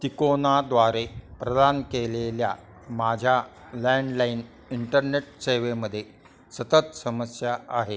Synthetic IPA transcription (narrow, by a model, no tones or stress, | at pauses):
t̪ikonad̪ʋaɾepɾəd̪ankelelja | mad͡ʑʱja | lɛɳɖlain | iɳʈəɾneʈ̚seʋeməd̪ʱːje | sət̪ət̪səməsjaʔaɦe